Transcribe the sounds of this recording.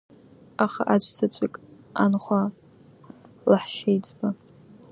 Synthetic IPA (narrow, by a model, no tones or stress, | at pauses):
aχa̰ʔat͡ʃʷʰʼt͡sʰat͡ɕʷʼikʼ | anχʷa | laħʃejt͡sʼba